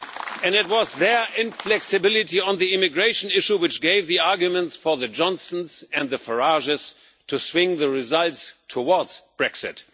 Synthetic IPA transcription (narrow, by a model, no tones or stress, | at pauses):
ɨ̃nɨt̚wʌzðə˞ɪ̃ɱflɛksɨbɪlˠɪtiə̃nðiɪmɨɡɹeɪʃn̩ɪʃuwɨt͡ʃɡ̥eɪvðiɑɹɡjumə̃ntsfə˞ðɨd͡ʒɔ̃nsə̃n̩zɨ̃nd̪ðɨfə˞ɑʒɨs | tʰuswɪ̃ŋðəɹɪzʌlˠtstʰəwɔɹdz̥b̥ɹɛksɪ̰t